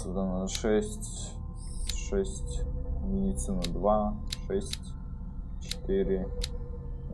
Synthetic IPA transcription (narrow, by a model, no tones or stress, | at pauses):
zd̪anəʂɛsʲtʲ | ʂɛsʲtʲmʲɪdʲɪt̪sɨnəd̪vaʂɛsʲtʲ | t͡ɕɪ̥t̪ɨɾʲɪ